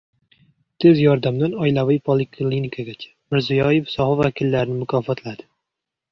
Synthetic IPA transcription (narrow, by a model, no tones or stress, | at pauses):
t̪ʰezjɒɾd̪amd̪anɒjlavɪjpʰolˠɪkʰlinikʰaɡʲat͡ʃʰḁmɪɾzijɒjefsɒhɒvakʲʰilːaɾɪnɪmʊkʰɒfɒt̪lad̪ɪ